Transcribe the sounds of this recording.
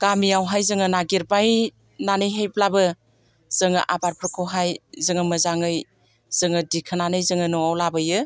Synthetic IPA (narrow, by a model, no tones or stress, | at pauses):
ɡamiawɦajzɯŋɯnaɡiɾbaj | nanɯjɦejplabɯ | z̥ɯŋɯ̰ʔabaɾpʰɯkʰɯwɦajzɯŋɯmɯzaŋɯj | z̥ɯŋɯdikʰɯnanɯjzɯŋɯnɔawlabɯjɯ